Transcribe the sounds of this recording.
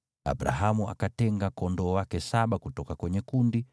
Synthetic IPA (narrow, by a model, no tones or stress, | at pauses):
a̰bɾa̰ɦamua̰katɛŋɡakɔndɔːwakɛsaɓakutɔkakwɛɲɛkundi